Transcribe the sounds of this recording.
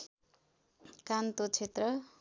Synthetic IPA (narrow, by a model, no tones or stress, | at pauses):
kant̪ot͡sʰet̪rʌ